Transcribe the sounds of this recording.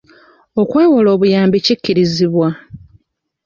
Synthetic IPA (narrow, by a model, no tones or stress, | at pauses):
o̞kwe̞ːwolo̞ːβujaːmbicikːiɾiziβwa